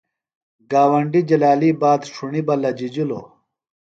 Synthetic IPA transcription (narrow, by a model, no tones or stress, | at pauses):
ɡaːwɐɳɖid͡ʑɐlaːlibaːd̪ʂʰuɳibɐlɐd͡ʑid͡ʑulo̰ː